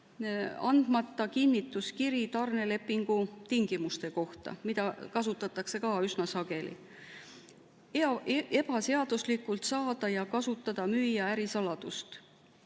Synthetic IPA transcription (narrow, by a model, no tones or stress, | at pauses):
ɑ̰nd̪̥mɑt̪ːˑɑkinːit̪ːˑuskiɾit̪ɑrne̞le̞pːˑiŋɡ̥ut̪iŋɡ̥imust̪e̞ko̞ht̪ɑ̰mid̪̥ɑkɑsut̪ːˑɑt̪ːˑɑkse̞kɑːysnɑsɑɡe̞lḭ | e̞b̥ɑse̞ɑd̪̥uslikult̪sɑːd̪̥ɑjɑkɑsut̪ːˑɑd̪̥ɑmyːjɑæɾisɑlɑd̪̥ust̪